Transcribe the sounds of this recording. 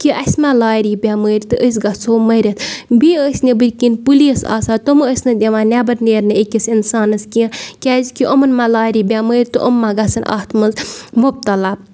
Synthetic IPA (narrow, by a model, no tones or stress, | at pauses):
kiʔɐsʲmalaːɾibʲaməːɾʲt̪ɨʔəs̬ɡɐsoːmɐɾʲɐt̪ʰbiəːsʲnebɨɾʲkinpulisa̰ːsat̪oməsʲnɨd̪ʲeʋãːnʲabɐɾneːɾnɨekʲɐsinsaːnɨskikʲɛzkiʔomɐnmalaːɾʲiːbʲaməːɾʲt̪ɨʔomːaɡɐsɐnʔɐ̰ht̪ʰmɐnzmub̚t̪ɐla